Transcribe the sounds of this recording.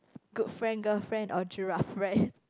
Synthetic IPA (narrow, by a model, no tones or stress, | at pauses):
ɡ̥udfɹɛ̃nɡəfɹɛ̃ndɔd͡ʒuɹafɹɛ̃n